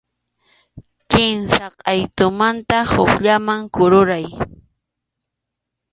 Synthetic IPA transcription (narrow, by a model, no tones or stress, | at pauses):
kɪnsaqʼɑjt̪ʊmant̪ahʊkʎamaŋkʊɾʊɾaj